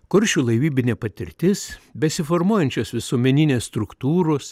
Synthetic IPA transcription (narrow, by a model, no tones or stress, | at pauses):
kʊɾʲʃʲuːlˠɐɪʋʲiːbʲɪnʲeːpɐt̪ʲɪɾʲt̪ʲɪsbʲɛsʲɪfoɾmuɔjɛnʲt͡ʃʲosʋʲɪsuɔmʲɛnʲɪnʲeːsst̪ɾʊkt̪uːɾoːs